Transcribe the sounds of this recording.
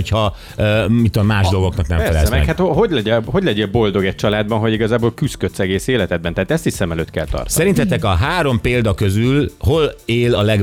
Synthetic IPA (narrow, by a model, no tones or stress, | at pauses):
ochɒ | mit̪ːud̪omːaːʒd̪o̞lɡo̞knɒknɛ̰mɛfɛlɛzmɛɛkhat̪oɦoɟlɛɟɛɦo̞ɟlɛɟɛbo̞ld̪o̞ɡɛc̚t͡ʃɒlaːd̪̚bɒnɦoɟiɡɒzaːboːlkyskøt̪sɛɡeːseːlɛt̪ɛd̪bɛnt̪ɛɦaːt̪ɛst̪iʃsɛmɛløːt̪kɛ̰lt̪ɒ̰rt̪sɛɾint̪ɛt̪ɛkɒɦaːɾo̞mpeːld̪ɒkø̞zylɦo̞leːlɒlɛɡ